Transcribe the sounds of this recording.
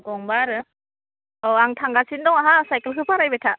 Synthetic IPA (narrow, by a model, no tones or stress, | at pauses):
ɡɔŋbaɾɯ | ɔaŋtʰaŋɡasindɔŋaɦasajkelkʰɯpʰaɾajbetʰa